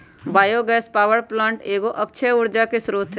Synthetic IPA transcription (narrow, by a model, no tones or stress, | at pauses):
baːjoɡɛːspaːʋəɾplãːɳʈeːɡoʔɐkʃʰeʊɾd͡ʒakesɾuːt̪ʰ